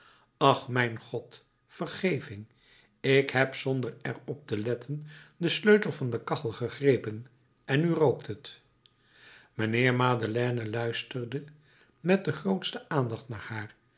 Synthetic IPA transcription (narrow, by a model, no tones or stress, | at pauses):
ɑχmɛjnχɔt | fərχejvɪŋ | ɪkhɛpsɔndərɛ̰rɔp̚təlɛtʰəndəsløɥtəl̩ˠvɑndəkɑχl̩ˠχəχrejpən | ʔɛnyrowktʰət | mənɪːɹmaːdəlɛːnəlœɥstərdə | mɛt̚dəχrowtstəʔaːndɑχtna̰ːɹhaːr